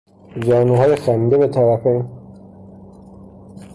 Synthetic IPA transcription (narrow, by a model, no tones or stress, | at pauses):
d͡ʒɒːnuɦɒːjexænid̪eβet̪ʰæɾæfen